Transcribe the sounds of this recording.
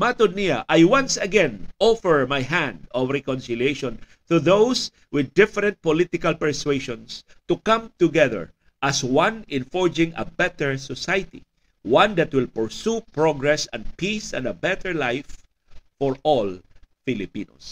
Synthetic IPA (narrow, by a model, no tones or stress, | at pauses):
mat̪ʊniaʔajwãnsɐɡɛ̃nɔfɛɹmajɦæ̃nd̪ɔvɹɛkɔ̃nsɪlieʃɔ̃n | t̪uðows | wɪd̪ːɪfɛɾɛnt̪̚pɔlɪt̪ɪkalpɛɹsweʃɔ̃ns | t̪ukãmt̪ʊɡɛðɛ̰ɹ | ʔɐswãnɪ̃nfɔɹd͡ʒɪ̃ŋɐ̰bɛt̪ɛɹsɔsajt̪ḭ | wãnd̪at̪̚wɪlpɛɹsupɹɔɡɹɛsɛ̃nd̪̚pisɛ̰̃nd̪ɐbɛt̪ɛɹlajfː | ɔɹɔlfɪlɪpḭno̰s